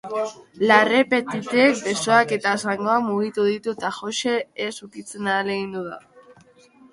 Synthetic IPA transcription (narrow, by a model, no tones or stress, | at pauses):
lare̞pe̞t̪it̪eek̚be̞so̞ake̞t̪aesaŋɡo̞amuɣ̞it̪uð̞it̪ut̪aʝo̞ʃe̞ːsukit͡se̞naːle̞ɣind̪uða̰